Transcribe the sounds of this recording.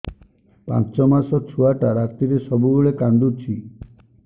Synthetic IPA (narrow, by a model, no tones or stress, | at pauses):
pã̰t͡ʃt͡ʃɔmasɔt͡ʃʰuaʈaɾakt̪iɾesɔbuɡuɭekand̪uɾt͡ʃʰi